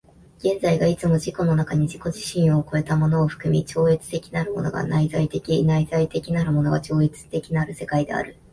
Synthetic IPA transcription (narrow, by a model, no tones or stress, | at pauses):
ɡ̥ẽ̞nd͡zaiɡait͡sɨmo̞ʑiko̞no̞nakaɲ̟iʑiko̞ʑiɕĩɰ̃oko̞e̞t̪amo̞no̞ːɸɯ̟̥kɯ̟mʲit͡ɕo̞ːet͡sɨ̥t̪e̞kʲi̥naɾɯ̟mo̞̰no̞̰ɡa̰naizait̪e̞kʲinaizait̪e̞kʲinaɾɯ̟mo̞no̞ɡat͡ɕo̞ːet͡sɨ̥t̪e̞kʲinaɾɯ̟se̞kaid̪e̞a̰ɾɯ̟